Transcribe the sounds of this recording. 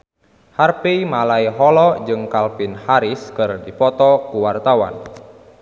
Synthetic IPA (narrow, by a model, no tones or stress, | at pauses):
harpeimalaiɦɔlɔd͡ʒɨŋkalpinhaɾiskɨrdipɔt̪ɔkuwart̪awa̰n